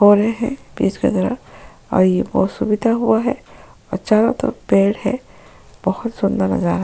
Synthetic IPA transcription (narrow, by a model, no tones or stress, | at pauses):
ɦoːɾɐɦeɦɛ̰̃biːd͡ʒkḛd̪ɐɾə̰ | ɔ̰ːɾjebɔːsubɪd̪ʱaɦuaɦɛɔːɾt͡ʃaːd̪at̪o̰beːɽhɛ | b̥ɔhʊt̪sʊ̃nd̪əɾnɐ̰zaːɾa